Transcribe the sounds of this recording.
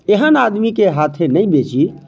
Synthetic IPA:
eɦənaːd̪mikeɦat̪ʰenəibet͡ʃi

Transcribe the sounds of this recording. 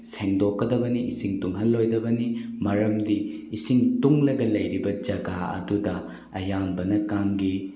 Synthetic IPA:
seŋdokːɐdɐbɐniʔisiŋtuŋɦɐlːojdɐbɐnimɐɾɐmdiː | siŋtuŋlɐɡɐlɐjɾibɐd͡ʒɐɡaɐ̰dudɐ | ɐjambɐnɐkaŋɡi

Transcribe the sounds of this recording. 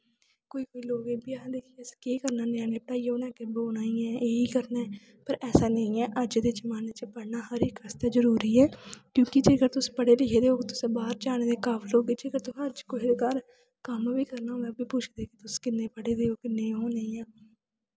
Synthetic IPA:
koːiːkoːiːloːɡeːbiaːd̪eːkʰiskeːkəɾnaːneãːneːpəʈaːiːoːnɛ̃ːkɪboːnaːĩːɛːʔeːiːkəɾnaːɛː | pəɾɛːsaːnə̃ĩːɛːʔəd͡ʒd̪ɪt͡ʃmaːneːt͡ʃəpəɽnaːhəɾɪkəst̪aːzəɾuːɾiːɛːkjõːkɪd͡ʒeːɡəɾt̪ʊspəɽeːlɪkʰeːd̪eːoːkɪt̪ʊsẽːbaːɾt͡ʃaːned̪eːkaːfʰiloːɡeːd͡ʒeːɡəɾt̪ʊsəd͡ʒkoːid̪ekaːɾ | kəmbiːkəɾnaːɦoɛːbiːput͡ʃʰd̪eːkɪt̪ʊskɪnːeːpəɽeːd̪eːoːkɪnẽːɦoːneĩãː

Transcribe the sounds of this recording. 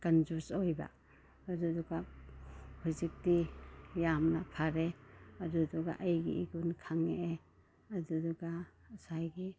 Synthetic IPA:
kanzuɾsɔjba̰ | adudɔɡa | pʰizik̚tijamnapʰaɾeadudɔɡa̰ʔajɡḭiɡunkʰaŋeʔeː | dudɔɡa | sajɡi

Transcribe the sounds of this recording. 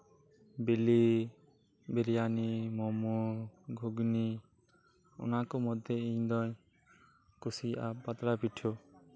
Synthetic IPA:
bili | biɾjanimɔmuɡʱuɡni | ɔ̰nakɔmɔd̪ʱjeiɲd̪ɔj | kusiʔa̰pat̪ɾapiʈʰo

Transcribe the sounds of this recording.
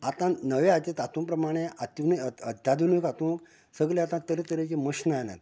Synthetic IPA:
at̪ãnəʋeat͡ɕet̪at̪ũpɾəmaɽ̃eat̪unəəd̪ʱad̪ʋunʋikat̪ũk | səɡlẽat̪ãt̪əɾet̪əɾet͡ɕeməɕnajna̰t̪

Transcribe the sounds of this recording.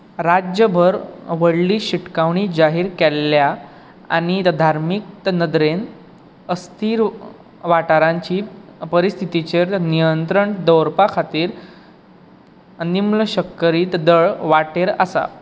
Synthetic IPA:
ɾad͡ʑjəbʱəɾʋəɽliːɕiʈkaʋɳiːd͡ʑaɦiːɾkɛlːja | a̰ɽ̃id̪ʱaɾmik̚t̪ənəd̪ɾen | əst̪ʰiːɾ | ʋaʈaɾaɲt͡ɕiːpəɾist̪ʰit̪it͡ɕeɾnijənt̪ɾəɳd̪əwɾpakʰat̪iːɾ | nimləɕəkːəɾiːt̪d̪əɭʋaʈeɾa̰sa̰

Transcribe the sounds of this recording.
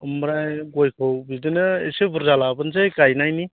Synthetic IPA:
ɯmɾajɡojkʰɔwbidɯnɯḛsebɯɾzalabɯnzejkajnajni

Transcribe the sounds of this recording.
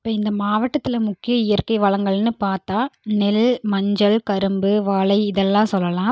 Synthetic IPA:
ɪpːɐːɪnd̪ɐmaːʋɐʈːɐt̪ːɪlɐmʊkːɪjɐɪjɐɾkɐɪʋɐːɭɐŋɡɐɭnɯpaːɾt̪aːnɛlmɐɲd͡ʒɐlkɐɾɯmbɯʋaːɭɐɪɪðɛlːãːsɔlːɐlãː

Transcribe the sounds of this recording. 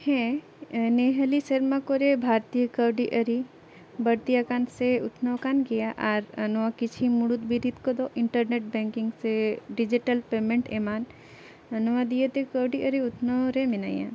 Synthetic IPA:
hɛ̃ | neɦəlisɐɾmãkoɾebʱaːɾt̪ijəkəwɖiʔəɾi | bəɾt̪ijakanseʊt̪ʰnoʋkanɡijaʔaɾənɔʋakit͡ʃʰimuɽut̪biɾit̪kod̪oʔɪɳʈəɾneʈ̚bɛ̃ŋkiŋɡseɖid͡ʒiʈəlpeːmẽɳʈemaːn | ənɔʋad̪ijet̪ekəwɖiʔəɾiʊt̪ʰnoɾemɪna̰jã̰

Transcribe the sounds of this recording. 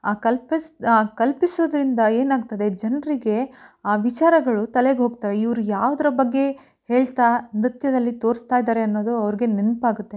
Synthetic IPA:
aːkɐlpaːkɐlpisoːd̪ɐɾind̪ɐe̞ːnaːɡt̪ɐd̪e̞d͡ʒɐnɐɾiɡe̞aːʋit͡ʃaːɾɐɡɐɭut̪ɐleɡeɦo̞ːɡ̚t̪aʋeiʋɐɾujaːʋɐd̪ɐɾɐbɐɡːe̞ | he̞ːɭt̪amɾut̪jɐd̪ɐlːit̪o̞ːɾst̪aːjid̪aːɾe̞ɐnːo̞ːd̪uɐʋɐɾiɡe̞nenpaːɡut̪ːe

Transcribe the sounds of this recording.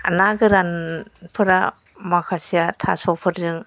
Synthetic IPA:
a̰naɡɯɾanpʰɯɾa | makʰasijatʰa̰sɔpʰɯɾdɯŋ

